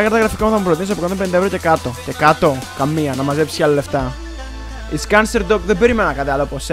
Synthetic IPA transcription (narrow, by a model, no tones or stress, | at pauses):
ɐkɐɾt̪ɐɣɾɐfikɐmuθɐmupɾo̞t̪inis̬poɐnopend̪ɐeɾoce̞kɐt̪o̞ce̞kɐt̪o̞kɐmːiɐnɐmɐze̞psi̥cɐlɐle̞ft̪ɐ | iskɐnseɾd̪okðembe̞ɾimenɐnɐkɐt̪iɐlopos